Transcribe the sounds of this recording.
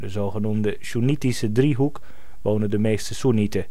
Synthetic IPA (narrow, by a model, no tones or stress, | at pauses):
dəzoχənumdəʃunitisədriɦuk | ʋoːnədəmeːstəsunitə